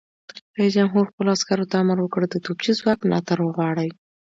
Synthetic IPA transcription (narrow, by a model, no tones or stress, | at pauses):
ad͡ʒamɦuɾxpəloɑskaɾot̪aamaɾwəkəɽd̪ət̪ob̚t͡ʃizwɑknɑ̰t̪aɾwəɣwɑɽəj